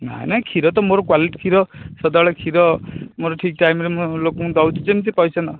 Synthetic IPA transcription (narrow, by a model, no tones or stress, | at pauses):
na̰jnakʰiɾɔt̪ɔmoɾɔkwaliʈi̥kʰiɾɔsɔd̪aɭekʰiɾɔmoɾɔʈʰik̚ʈajmɾemɔlokũd̪awtʰut͡semt̪ipɔjsana